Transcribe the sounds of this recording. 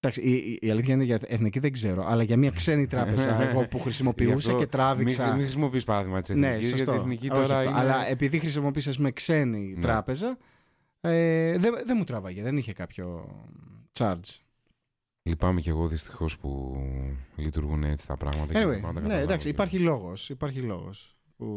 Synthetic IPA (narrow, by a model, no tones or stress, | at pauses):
d̪̥ɐksiiiɐliθçɐineʝɐeθniciðe̞ɡze̞ɾo̞ʔɐlɐʝɐmɲɐkse̞nit̪ɾɐpezɐɣo̞puxɾisimo̞piusee̞t̪ɾɐvisɐmixɾisimo̞piispɐɾɐðiɣmɐt̪i̥senne̞siosɐt̪oeθniciooçɐɐfto̰ʔɐlɐepiðixɾisimopis̬ɐs̬pumekse̞nint̪ɾɐpe̞zɐ | eðeðemut̪ɾɐvɐʝeðeniçe̞kɐpço̞̰ | t͡ʃɐɾd͡z | lipɐmeceɣo̞ðist̪i̥xo̞spṵ | lit̪uɾɣuneet͡si̥t̪ɐ̰pɾɐ̰ɣmɐt̪ɐkɐniwejɐnd̪ɐnend̪ɐksiipɐɾçilo̞ɣo̞sipɐɾçilo̞̰ɣo̰s | pu